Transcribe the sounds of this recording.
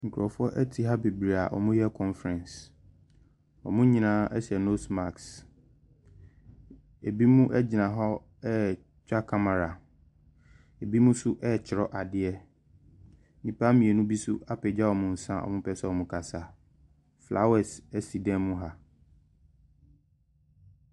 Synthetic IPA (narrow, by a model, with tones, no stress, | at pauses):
ŋ̩˨kʰʊ˨ɾɔ˨fʊ˦ɔ˦ʔɛ˦tʰi˨ɦa˦be˨bɾi˨a˨ʔɔ̰˨mũ˦jɛ˦kʰɔ̃˦nfɾɛ̃˨ns | ɔ̰˨mʊ̃˦ɲĩ˦˨nãː˦ɛ˦sɛ˨no˦sma˨ks | e˨bi˦mũ˦ʔɛ˦d͡ʑɪ˨nã˨ɦɔ˦ | ɛ˦ | t͡ɕᶣa˦kʰa˦ma˨ɾa˨ | e˨bi˦mũ˦sʊ˦ʔɛ˦˨t͡ɕʰɪ˨ɾɔ˦ʔa˨dɪ˦ɛ˦ | nĩ˨pʰa˦mĩ˨ɛ˨nũ˦bi˦sʊ̰˦a˦pɛ˨d͡ʑa˦wɔ˨mʊ̃˨n̩˨sã˦ʔɔ̰˨mʊ̃˦pʰɛ˦sɛ˦ɔ˨mũ˦kʰa˨sa˨ | fla̰˦wɛ˨sɛ˦si˨dɛ̃˦mː˦ũ˦ɦa˨